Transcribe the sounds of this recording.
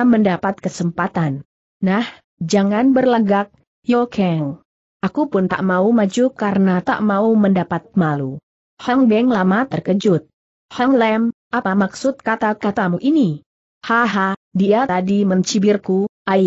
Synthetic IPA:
məndapat̪̚kəsəmpat̪anː | ah | d͡ʒaŋanbərlaɡak̚ | jokʰɛŋ | ʔakupʊnt̪a̰ʔmaumad͡ʒukaɾənat̪a̰ʔmauməndapat̪̚malu | haŋbɛŋlamat̪ərkəd͡ʒʊt̪̚ | haŋlɛmʔapamaksʊt̪̚kat̪akat̪amuʔini | haɦadiat̪adiməɲt͡ʃibɪrkuʔa

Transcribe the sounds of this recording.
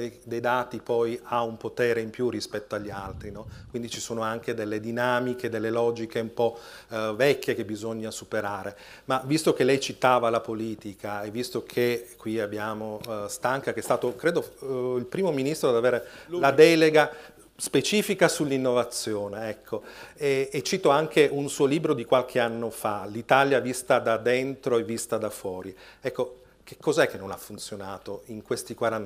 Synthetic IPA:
d̪ejd̪aːt̪ipɔjaumpot̪eːɾeimpjurːispɛt̪ːoaʎːialt̪ɾinɔkwind̪it͡ʃisoːnoaŋked̪elːed̪inaːmiked̪elːelɔːd͡ʒikeumpɔvɛkʰʲːjekebizoɲːasupeɾaːɾe | mavist̪okelːɛjt͡ʃit̪aːvalapoliːt̪ikʰaevːist̪okʰekwiabːjaːmost̪aŋkakeɛst̪aːt̪okɾeːd̪oilpɾiːmominist̪ɾod̪aveːɾelad̪ɛːleɡa | spet͡ʃiːfikasulːinːovat̪sːjoːneɛkʰːoeet͡ʃːit̪oaŋkeʔunsuːoliːbɾod̪ikwalkʰeanːofalit̪aljavist̪ad̪ad̪ent̪ɾoevːist̪ad̪afwɔːɾiɛkːo | k̟e̥kʰːɔzaɛkːenːonafːunt̪sjonaːt̪oiŋkwest̪ikwaɾan

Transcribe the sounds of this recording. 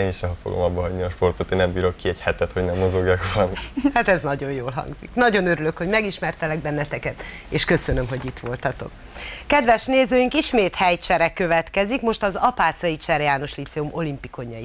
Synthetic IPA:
eːniʃɛɦɒfoɡomɒbːɒɦɒɟniɒʃpo̞rt̪ot̪eːnɛmbiːɾo̞kːiɛchɛt̪ɛt̪ho̞ɟnɛmːo̞zo̞ɡjaːkʋɒlɒmihat̪ɛznɒɟo̞jjoːlɦɒ̰ŋɡzḭknɒɟo̞nøɾylø̞kho̞ɟmɛɡiʃmɛrt̪ɛlɛɡ̚bɛnːɛt̪ɛkɛt̪ | eːʃkø̞sønømɦo̞ɟit̪ʋo̞lt̪ɒt̪o̞̰k | kːɛd̪ʋɛʃneːzøːjiŋkiʃmeːt̪hɛjt͡ʃɛɾɛkø̞vɛt̪kɛzikmo̞ʃt̪ɒzɒpaːt̪sɒit͡ʃɛrjaːno̞ʃlit̪sɛumʔo̞limpiko̞ɲːɒji

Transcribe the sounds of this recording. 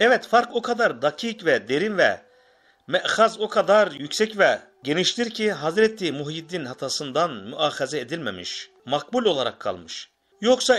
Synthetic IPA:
ɛvɛt̪faɾkokʰad̪aɾd̪acʰiːcvɛd̪e̞ɾinvɛ̰ | mɛʔxazokʰad̪aɾjycsɛcvɛ | ɟe̞niʃt̪ʰiɾcʰiɦazɾɛt̪ʰːʲimuɦid̪inhat̪ʰasɯnd̪anmyʔaːxezɛed̪ilʲmḛmḭʃ | mak̚bulʲo̞lˠaɾakʰːa̰lˠmɯʃ | jo̞ksa

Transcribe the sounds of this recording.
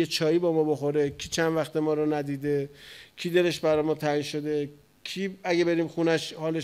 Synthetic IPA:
et͡ʃʰɒːjiːbɒːmɒːbo̞xoɾe̞kʲʰiːt͡ʃʰænd̪væxt̪emɒːɾɒːnæd̪iːd̪ecʰiːd̪e̞le̞ʃbæɾɒːjmɒːt̪ʰæiːnʃo̞d̪e̞ | kʰiːæɡebe̞ɾiːmxunæʃhɒːle

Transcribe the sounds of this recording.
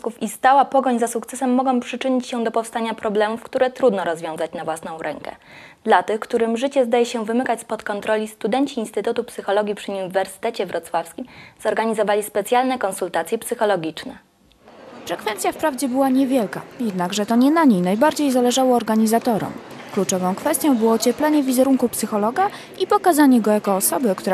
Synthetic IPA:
kufist̪awapɔɡɔɲzasukt̪sɛsɛmːɔɡɔ̃w̃pʂɘt͡ʂɘɲit͡ɕɕɛd̪ɔpɔfst̪aɲapɾɔblɛmufkt̪uɾɛt̪ɾud̪nɔɾɔzvʲjɔ̃w̃zat͡ɕnavwasnɔ̃w̃ɾʔɛŋkɛ̰ | d̪lat̪ɘxkt̪uɾɘmʐɘt͡ɕɛzd̪ajɛɕɛvɘmɘkat͡ɕspɔt̪kɔnt̪ɾɔlʲist̪ud̪ɛɲt͡ɕiːnst̪ɘt̪ut̪upsɘxɔlɔɡʲipʂɘɲuɲivɛɾsɘ̥t̪ɛt͡ɕɛvɾʔɔt̪swafskʲimzɔɾɡaɲizɔvalʲispɛt̪sʲjalnɛkɔnsult̪at̪sʲjɛpsɘxɔlɔɡʲit͡ʂnɛ | fɾɛkfɛnt̪sʲjafpɾavd͡ʑɛbɘwaɲɛvʲjɛlka̰jɛd̪naɡʐɛt̪ɔɲɛnaɲejnajbaɾd͡ʑejzalɛʐawɔːɾɡaɲizat̪ɔɾɔ̰mklut͡ʂɔvɔ̃w̃kfɛst̪ʲjɔ̃w̃bɘwɔt͡ɕɛplɛɲɛvʲizɛɾuŋkupsɘxɔlɔɡa | ipɔkazaɲɛɡɔjakɔːsɔbɘkt̪uɾa

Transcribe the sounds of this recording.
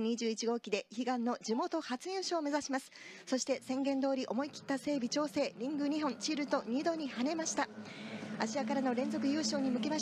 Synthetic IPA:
ɲ̟iʑɨːit͡ɕiɡo̞ːkʲid̪e̞çiɡãnːo̞d͡ʑimo̞t̪o̞hat͡sɨjɯːɕoːme̞zaɕimasɨ̥ | so̞ɕi̥t̪e̞sẽ̞ŋɡẽ̞nd̪o̞ːɾʲiʔo̞mo̞ikʲi̥t̪ːase̞ːbʲit͡ɕo̞ːse̞ːɾʲĩŋɡɯ̟ɲ̟iɦõ̞ɲt͡ɕiɾɯ̟t̪o̞ɲ̟ʲid̪o̞ɲ̟ihane̞maɕi̥t̪a | aɕiakaɾano̞ɾẽ̞nd͡zo̞k̬ɯ̟jɯ̟ːɕo̞ːɲ̟imɯ̟ke̞maɕ

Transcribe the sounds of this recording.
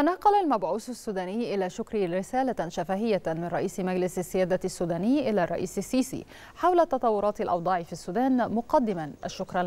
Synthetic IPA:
nɑːqɑlalmabʕuːssːuːd̪æːnɪjːʔɪlaːʃʊkɾiɾɪsæːlaʃafaːɦɪjːamɪnɾˤɑʔiːsmaɡlɪsasːɪjæːd̪asːuːd̪æːnɪjːʔɪlaːrˤɑ̰ʔḭːsɪsːiːsḭ | ħawlat̪ːɑt̪ˤɑwːʊɾˤɑːt̪alʔɑwd̪ˤɑːʕifiːsːuːd̪æːnmʊqɑd̪ːɪmanʔaʃːʊkɾˤɑ

